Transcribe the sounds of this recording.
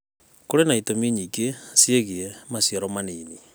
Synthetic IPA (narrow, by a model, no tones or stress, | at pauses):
koɾenaitomiɲikesjeɣiɛmasjaɾɔmaniːni